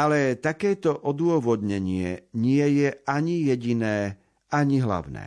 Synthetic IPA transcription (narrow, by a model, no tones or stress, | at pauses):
alɛt̪akɛːt̪ɔʔɔd̪ʊɔʋɔd̪ɲɛɲɪɛɲɪɛjɛʔaɲijɛɟinɛː | aɲiɦla̰ʊnɛ̰ː